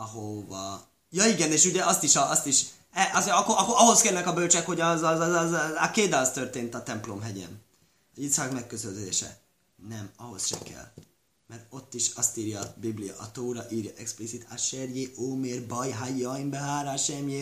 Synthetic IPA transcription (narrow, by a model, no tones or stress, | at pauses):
ɒɦovɒ | jɒiɡɛneːʃuɟɛɒst̪iʃɒɒst̪iʃ | ɛʔɒsɒkːoɒkːoɒɦo̞skɛlnɛkɒbølt͡ʃɛkho̞ɟɒzzakeːd̪ast̪ørt̪eːnt̪ɒt̪ɛmplo̞mɦɛɟɛ̰n | ɒzit̪sakmɛkːøzølzeːʃɛ̰ | nɛmɒɦo̞sʃɛ̰kɛ̰l | mɛrt̪o̞t̪ːiʃɒst̪iːɾjɒːbiblijɒ̰ʔɒt̪oːɾɒʔiːɾjɒʔɛksplisit̪aʃerjeʔoːmeːrbɒjɦajːɒimbɛɦaːɾaʃɛmje